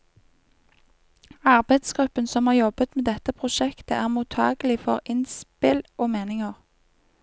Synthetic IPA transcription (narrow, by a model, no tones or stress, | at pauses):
ɑʁbæɪd̪sɡ̥ʁʉpːənsɔmhɑːʁjɔbət̪meːd̪ɛt̪əpʰʁʊʃɛkt̪əʔæːʁmuːt̪ʰɑ̰ːɡlɪfɔʁɪnspɪlʔoːmeːnɪŋəʁ